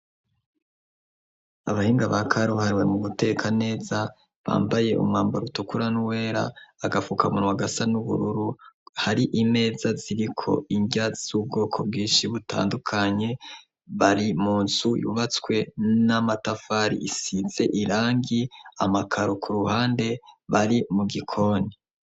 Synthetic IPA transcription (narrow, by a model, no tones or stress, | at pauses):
aβahiːŋɡaβakʰaɾohaɾiwe̞̰mumute̞kʰane̞ːza | βa̰ːmbaje̞ʔṵmŋaːmbaɾutokuɾanuwe̞ːɾa̰ːɡafukamunuwaɡasanuβṵɾuɾuhaɾiʔime̞ːzaziɾikʰo̞̰iɲɟaz̥ub̚ɡo̞ːkʰo̞b̚ɡiːnʃiβutʰa̰ːndukʰaɲe̞ | βaɾimuːnz̥ujṵβat͡swe̞namatafaːɾḭʔisiz̥e̞ʔiɾaːŋɡiamakʰaɾokʰuɾuhaːnde̞βaɾimuɡikʰo̞ni